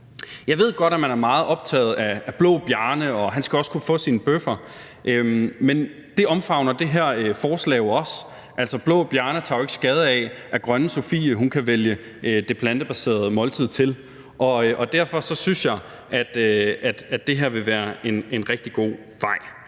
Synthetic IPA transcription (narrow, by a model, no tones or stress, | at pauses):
jɑ̈ɪʋe̝ð̞̰ˠɡ̥ɒ̽ɾ̥æmænæɐmɑ̈ːð̩ˠɒ̽b̥̚t͡sʰɛ̰ːð̞̩ˠææb̥lɔ̰ːb̥jæɐnəɒ̽ɦænsɡ̥æɒ̽skʰufɔ̰ːsinb̥øfɐ | ʔømmen | d̥e̝ɒ̽mfɑ̈ʊ̰nɐd̥e̝ɦeɐ̰øfɒːslɛ̰ːoɒ̽s | ʔæl̰sɒ̽b̥lɔ̽ːb̥jæɐnət͡sʰɑ̈oe̝ɡ̥sɡ̥ɛːð̞ˠəæɛʔæɡ̥ʁɶnəso̝fḭːəɦunkʰæʋeljə | ød̥e̝pʰlænd̥əb̥æse̝̰ːɐð̞ˠmɒ̽lt͡sʰið̞̰ˠt͡sʰe̝l | ʔɒ̽ʔɒ̽d̥æɐfɒ̽sɒ̽synsjɑ̈ɪ | ʔæd̥øæd̥æ̥d̥e̝ɦeɐ̰ʋe̝ʋæːɐe̝ne̝nʁɛɡ̥̚d̥iɡ̥o̝̰ː | ʋɑ̈ɪ̰